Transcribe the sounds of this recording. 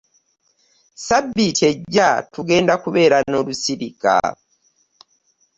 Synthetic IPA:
sabːitʰe̞ɟːatuɡe̞ːndakuβe̞ːɾano̞lusiɾika̰

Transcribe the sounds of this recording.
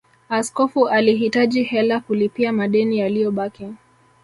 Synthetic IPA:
askɔfuʔaliɦitaʄihɛlakulipiamaɗɛnijalijɔɓaki

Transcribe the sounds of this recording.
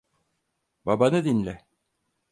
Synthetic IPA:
bɑbɑnɤd̪inlæ

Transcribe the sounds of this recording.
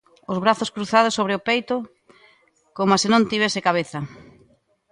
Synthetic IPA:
ʊzβɾaθʊskɾuθað̞ʊsːoβɾeʊpejt̪ʊ | komoasenõnt̪iβ̞ɛsɪkaβ̞eθɐ

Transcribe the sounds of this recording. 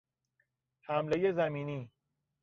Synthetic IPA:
hæmlejezæmiːniː

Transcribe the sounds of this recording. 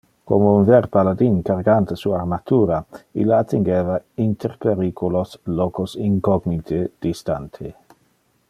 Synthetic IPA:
ko̰mounvɛɾpalad̪inkaɾɡant̪əsuaarmat̪uːɾaḭlːaːt̪iŋɡeːvaint̪ʰeɾpeɾiːkʰuloslɔkosiŋkɔɡnit̪ʰed̪̥ist̪a̰nt̪ʰe

